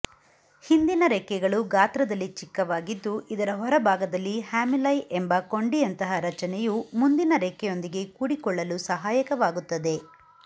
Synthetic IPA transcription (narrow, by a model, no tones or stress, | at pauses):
hind̪inɐɾekːɛɡɐɭuɡaːt̪ɾɐd̪ɐlːit͡ʃikːɐʋaːɡid̪ːuʔid̪ɐɾɐɦɔɾɐbʱaːɡɐd̪ɐlːihaːmilɐjʔembɐko̞ɳɖijɐnt̪ɐɦɐɾɐt͡ʃɐnɛjumund̪inɐɾekːɛjo̞nd̪iɡe̞kuːɽikɔɭːɐlusɐɦaːjɐkɐʋaːɡut̪ːɐd̪e̞